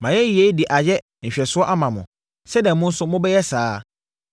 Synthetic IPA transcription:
mã˨jɛ˦i˨e˦dɪ˨ʔa˨jɛ˦ | ɲ̩˨ɕᶣɛ˨sʊ˦ɔ˦ʔa˦mã˨mʊ̃˨ | sɛ˦dɛ̃˨˦mʊ̃˦n̩˦sʊ˦mʊ̃˦bɛ˦jɛ˦saː˨˦

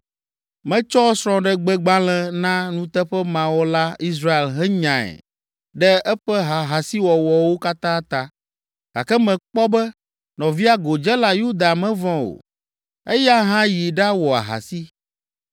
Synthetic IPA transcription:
mɛ̃˦t͡ʃɔ˦sɾ̃ɔ̃˦ɖɛ˦ɡ͡bɛ˦ɡ͡bã˦l̃ɛ̃˦nã˦nũ˦t̪ɛ˦ɸɛ˦mã˨wɔ˦la˦i˦s̬ɾa˦e˨lɦɛ˦ɲã˨ɛ̰˨ | ɖɛ˦ɛ˦ɸɛ˦ɦa˨ɦa˨si˦wɔ˨wɔ˨wo˦ka˦t̪ã˦t̪a˦ | ɡ̥a̰˨kɛ˦mɛ̃˨k͡pɔ˦bɛ˦ | nɔ̃˨vi˦a˦ɡo˨d͡ʒɛ˦la˦ju˦d̪a˨mɛ̃˦vɔ̃˦o̰˨ | e˦ja˦ɦã˦ji˨ɖa˦wɔ˨a̰˨ɦa̰˨si˦

